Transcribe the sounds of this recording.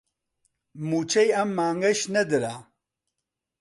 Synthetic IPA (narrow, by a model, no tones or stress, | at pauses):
mut͡ʃʰɐjɐmːaːŋɡɐʃnɛd̪ɨɾaː